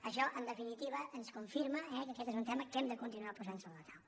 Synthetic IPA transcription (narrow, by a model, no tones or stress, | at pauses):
əʃɔʔənd̪əfinit̪iβ̞əʔənskuɱfiɾməɛkəkɛt̪ezunt̪ɛməkɛmd̪əkunt̪inuapuzansoβlət̪awə